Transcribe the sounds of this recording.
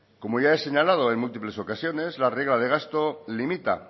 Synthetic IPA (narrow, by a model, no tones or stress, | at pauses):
ko̞moʝae̞se̞ɲalað̞o̞e̞ŋmult̪iple̞so̞kasjo̞ne̞zlare̞ɣ̞lað̞e̞ɣ̞ast̪olimit̪a̰